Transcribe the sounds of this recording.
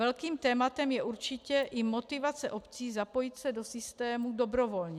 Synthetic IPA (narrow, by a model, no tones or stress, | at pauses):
ɛlkiːmt̪ɛːmat̪ɛmjɛʔuɾt͡ʃɪcɛʔɪmot̪ɪvat͡sɛʔopt͡siːzapojit̪sɛdosɪst̪ɛːmudobɾovolɲɛ